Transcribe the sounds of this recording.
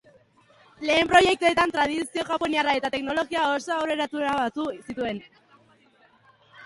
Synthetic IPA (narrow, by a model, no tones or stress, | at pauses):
le̞ːmpɾo̞je̞k̚t̪ue̞t̪ant̪ɾað̞isio̞ʝapo̞niarae̞t̪at̪e̞kno̞lo̞ɣiao̞so̞awɾe̞ɾat̪uɾaβat̪usit̪ue̞n